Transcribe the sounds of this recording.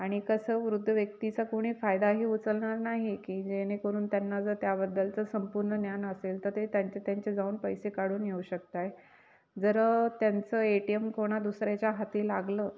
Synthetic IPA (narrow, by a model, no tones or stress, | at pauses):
aɽ̃ikəsəːʋɾud̪ʱːəʋjəkt̪it͡sakoɽ̃iːfajd̪aɦiːut͡səlɳaɾnaɦikiːd͡ʑenekəɾuːnt̪janːad͡zəɾt̪jabəd̪ːəlt͡səsəmpuɾɳənjanəselt̪əɾt̪et̪jaɲt͡ɕet̪jaɲt͡ɕed͡zauːnpəjsekaɽ̤uːnjeuɕək̚t̪aj | d͡zəɾət̪jant͡səːeʈiemkoɽ̃ad̪usɾjat͡ɕjaɦat̪iːlaɡləː